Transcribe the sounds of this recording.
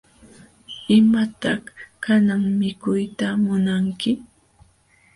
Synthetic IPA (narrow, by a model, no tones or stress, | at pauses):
ɪmat̪ɑχhkanaŋmɪkʊjt̪amʊnaŋkɪ